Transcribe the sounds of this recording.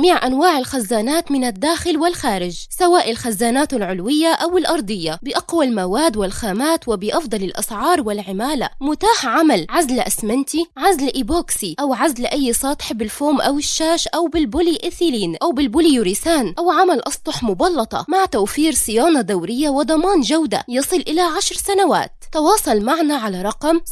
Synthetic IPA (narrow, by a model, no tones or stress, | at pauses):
miːʕʔanwaːʕalxazːaːnaːt̪mɪnad̪ːaːxɪlwɪlxaːɾɪd͡ʒsawaːʔalxazːaːnaːt̪alʕʊlwɪjːaʔawɪlʔɑɾˤd̪ˤɨjːabɪʔɑqwalmawaːd̪wɪlxaːmaːt̪wɪbɪʔɑfd̪ˤɑlɪlʔɑ̰sʕɑːɾˤwɪlʕɪmaːla̰mʊt̪aːħʕamalʕazlʔasmant̪iʕazlʔɪboːksiʔawʕazlʔajːsˤɑːt̪ˤħbɪlfoːmʔawɪʃːaːʃʔawbɪlbʊliʔɪθiliːnʔawbɪlbʊliuɾisaːnʔawʕamalʔɑsˤt̪ˤʊħmʊbɑlːɑt̪ˤɑ̰maʕt̪awfiːɾsˤɪjaːnɑd̪awɾɪjːawɪd̪ˤɑmɑːnʒawd̪a̰jɑsˤɨlʔɪlaʕaʃɾsanawa̰ːt̪t̪ɑwɑːsˤɑlmaʕnaʕalaɾˤɑqɑm